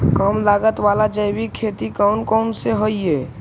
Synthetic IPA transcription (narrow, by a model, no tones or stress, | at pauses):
kəmlaɡət̪ʋalad͡ʒəjbikʰːet̪ikəwnkəwnseɦoje